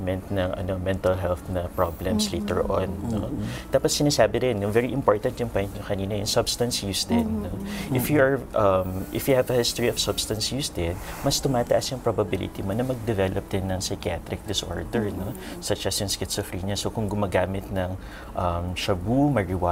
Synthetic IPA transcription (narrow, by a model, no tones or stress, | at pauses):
mɛnt̪nɐŋʔɐ̰no̞mɛ̃nt̪ɐlɦɛlθnɐpɹoblɛmslḛjt̪ɛ̰ɹʔo̰nnot̪aːpɐt̪sɪnaːsaːbɪd̪ɪnjʊŋvɛɹiʔɪmpoɹt̪ɐnt̪jʊŋpojnt̪ɲokɐniːnɐjʊŋsɐbst̪ɐnsjuːsd̪ɪnːoʔʔɪfjuʔɐɹʔɐmʔɪfjuhɛvɐhɪst̪oɹiɔv̥sɐbst̪ɐnsjusd̪ɪn | mɐst̪ʊmaːt̪ɐʔɐsjʊŋpɹobɐbɪlɪ̰t̪imonɐmɐɡ̚d̪ɛvɛlʔɐp̚d̪ɪnːɐŋsɐjkat̪ɾɪk̚d̪ɪsʔo̰ɹd̪ɛɹno̞ | sɐt͡ʃɐsjʊŋskɪt̪sɔfɾiɲɐsokʊŋɡʊmaːɡaːmɪt̪̚nɐŋ | ʔɐmʃɐbumɐɹɪwa